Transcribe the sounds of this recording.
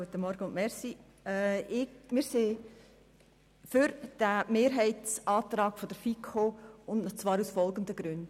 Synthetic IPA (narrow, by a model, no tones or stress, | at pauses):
ɡ̥uət̪ːəmɔɾɡəʊnmɛɾsi | ɛɪmɪɾseː | fʏɾd̥æmeːɾɦɛɪtt͡sʔɑːtɾɑːɡ̥fɔd̥̪əɾfikʰoːʊnt͡svɑːɾusfɔlɡəndəɡ̥ɾʉnd